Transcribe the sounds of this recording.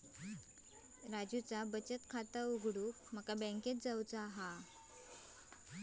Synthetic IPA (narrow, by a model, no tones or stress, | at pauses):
ɾad͡ʑut͡sabət͡ɕət̪kʰat̪əuɡʱɽum̤əkabɛ̃ŋket̪̚d͡zawt͡saɦa